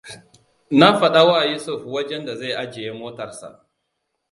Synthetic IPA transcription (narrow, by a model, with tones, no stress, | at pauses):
na˦ɸɐ˨ɗa˦wa˦ʔa˨ju˦sʊ˦ɸwɐ˦d͡ʒɛ˦nda˨za˦˨jʔa˦d͡ʒe˨je˦moː˦tɐ˨rsa̰˨ʔ